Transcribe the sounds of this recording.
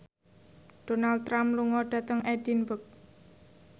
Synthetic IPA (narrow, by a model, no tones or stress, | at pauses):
d̥onald̪̚ɾamluŋɔɖ̥ä̤t̪əŋɛd̥inbək̚